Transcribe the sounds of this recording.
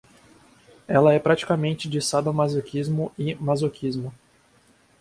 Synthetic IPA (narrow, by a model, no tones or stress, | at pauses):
ɛlɐɛpɾat͡ʃi̥kamẽnt͡ʃɪd͡ʒɪsad̪ɐmazokʰizmʊɪmazokʰizmʊ